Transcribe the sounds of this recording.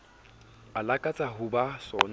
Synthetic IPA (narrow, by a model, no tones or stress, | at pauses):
alakʼat͡sʼaɦʊbasɔn